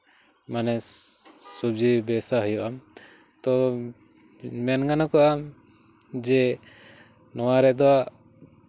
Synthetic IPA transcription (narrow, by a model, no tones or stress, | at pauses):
manɛ | sub̚d͡ʒibɛsaɦujuʔam | t̪ɔ | manɡanakɔʔam | d͡ʒɛ | nɔwaɾɛd̪ɔaʔ